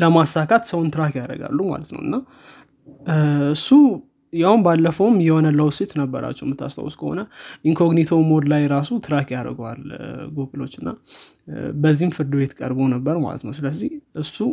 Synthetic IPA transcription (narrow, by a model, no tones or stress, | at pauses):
ləmasːakʰat̪səwʊnt̪ʰɨɾakjaɾə̰ɡa̰lːuma̰lət̪nə̰wɨnːa | ɨsːu | jawnbalːəfəwmjɛho̞nələwsit̪nəbːə̰ɾa̰t͡ʃːɛwmːɨt̪ʰːa̰st̪ʼa̰wuskʰəho̞̰nəʔiŋkʰo̞ɡnit̪ʰomo̞d̪lajɾasut̪ʰɨɾakjaɾə̰ɡoa̰lɡokʼɨlo̞t͡ʃːɨnːa̰ | bəzːihmfɨɾd̪ɨβe̞t̪kʼə̰ɾbonəbːəɾma̰lə̰t̪nə̰wsɨləzːiʔɨsːu